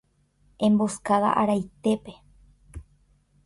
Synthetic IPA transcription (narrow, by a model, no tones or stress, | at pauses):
ẽ̞mboskaða̰ʔaɾajt̪e̞pe̞